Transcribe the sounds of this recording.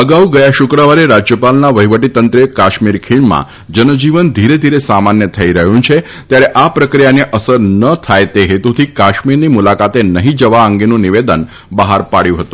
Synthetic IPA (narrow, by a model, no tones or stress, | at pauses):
əɡauɡəjaʃʊkɾəʋaɾeɾad͡ʒjəpalnaʋəɦiʋəʈit̪ənt̪ɾəkaʃmiɾkʰiɳmã̰ | d͡ʒənəd͡ʒiʋənd̪ʱiɾed̪ʱiɾesamanjət̪ʰəiɾəɦũt͡ʃʰe | t̪jaɾeʔapɾəkɾijaneʔəsəɾnət̪ʰajt̪eɦet̪ut̪ʰikaʃmiɾnimulakat̪enəɦĩd͡ʒəʋaəŋɡenũniʋed̪ən | bəɦaɾpaɽjũɦət̪ũ